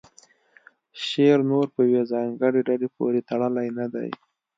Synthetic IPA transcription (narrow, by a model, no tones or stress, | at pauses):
ʃeɾnoɾpəjawezɑŋɡəɽeɖalepo̰ɾet̪aɽəlajnad̪a̰j